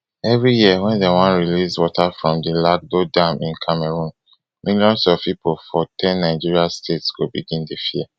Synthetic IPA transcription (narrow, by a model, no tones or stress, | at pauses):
ɛvɹijiəwɛ̃ndewãnɹiliswɔtafɹɔ̃mdilak̚dodãmĩnkʰameɹũn | miljɔ̃nsɔv̥pipʰolfɔtʰɛ̃nːaɪd͡ʒiɹiastʰetsɡ̥obiɡĩndefiɛ